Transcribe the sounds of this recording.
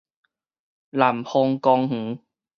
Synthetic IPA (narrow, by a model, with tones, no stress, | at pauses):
la˨˩mhɔ˧ŋkɔ˧ŋŋ̩˨˦